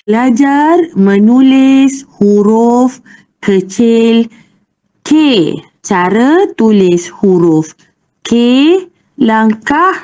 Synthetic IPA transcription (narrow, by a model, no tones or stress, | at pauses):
lad͡ʒarmənulɪshuɾʊf | kət͡ʃɪl | kʰe | t͡ʃaɾət̪ulɪshuɾuf | kʰe | laŋkah